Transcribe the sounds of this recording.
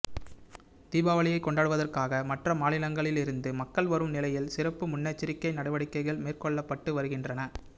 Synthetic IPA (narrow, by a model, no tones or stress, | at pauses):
t̪iːbaːʋɐɭɪjɐɪkːɔɳɖaːɽɯʋɐðɐrkaːɣɐmɐʈrɐmaːnɪlɐŋɡɐɭɪlɪɾɯnd̪ɯmɐkːɐɭʋɐɾɯmnɪlɐjɪlsɪrɐpːɯmʊnːɐt͡ʃːɪɾɪkːɐɪnɐɽɐʋɐɽɪkːɐɪɣɐɭmeːrkɔɭːɐpːɐʈːɯʋɐɾɯɣɪndrɐnɐ